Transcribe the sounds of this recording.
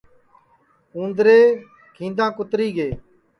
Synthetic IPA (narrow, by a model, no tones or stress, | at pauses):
ũːnd̪ɾeː | kʰĩːnd̪ãːkʊt̪ɾiːɡeː